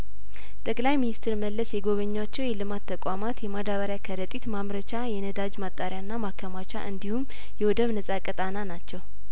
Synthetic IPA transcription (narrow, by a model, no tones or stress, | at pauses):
t̪ʼəkʼlajminist̪ʰɨɾməlːəsjɛɡo̞βəɲːat͡ʃːɛwjɛlɨmat̪ʰːəkʷʼamat̪jɛmad̪aβəɾjakʰəɾət̪ʼit̪mamɾət͡ʃajɛnəd̪ad͡ʒmat̪ʼːaɾjanːamakʰːəmat͡ʃa̰ʔɨnd̪ihumː | jɛwɔd̪əβnəsʼakʼət̪ʼananat͡ʃːɛw